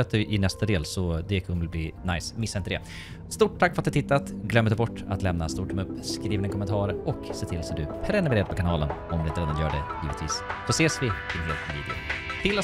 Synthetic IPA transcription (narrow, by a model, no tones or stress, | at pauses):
at̪̚d̪ɵʔɪnɛst̪ad̪eːlsɔd̪ɛkʰɵnːəlbliːna̰jsmɪsːaɪnt̪əd̪ɛ̰ | st̪uːʈʰːakːfɾat̪ɵhat̪ɪt̪ːat̪ɡlœmːɾd̪bɔʈːa̰t̪lɛmnast̪uːʈʰɵmɵpːskɾiːnɪŋkʰɔmənt̪ʰɑːɾɔkseːt̪ʰɪlsɔd̪ɵpʰɾɛnʉmɾeːɾd̪pʰɔkanɑːlə̰nɔmd̪ɵɪnt̪ɾeːd̪anjœːɖɛjiːvət̪vḭːsd̥ɔseːsvɪd̪ɪnɦeːlt̪vḭːd̪ɪʊ̰t̪ʰɪlːa